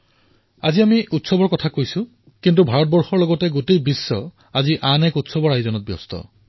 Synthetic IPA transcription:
aziamiʔutsɔbɔɹkɔtʰakojsʊ̃ | kintubʱaɹɔt̚bɔɹxɔɹlɔɡɔtɛɡotejbisːɔ | aziʔanɛkutsɔbɔɹajzɔnɔt̚bjɔ̰stɔ̰

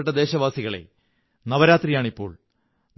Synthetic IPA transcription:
ʈːɐd̪e̞ːɕɐʋaːsiɣɐɭe̞̰ | nɐʋɐɾaːt̪rijaːɳipːo̞̰ːɭ | n

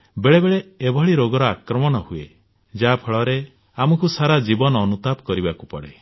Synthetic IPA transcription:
beɭebeɭeːbʱɔɭiɾoɡɔɾɔakɾɔmɔɽ̃ɔhue | d͡ʒapʰɔɭɔɾe | amɔkusaɾad͡ʒibɔnɔːnut̪ap̚kɔɾibaku̥pɔɽe

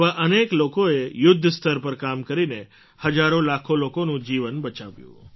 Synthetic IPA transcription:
ʋaʔəneklokoejʊd̪ʱːst̪ʰəɾpəɾkamkəɾine | həd͡ʒaɾõlakʰolokonũd͡ʒiʋənbət͡ʃa̰ʋjṵ̃

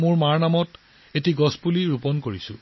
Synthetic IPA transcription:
mʊɹmaɹnamɔt | etiɡɔspuliɹupɔnkoɹisʊ̰̃

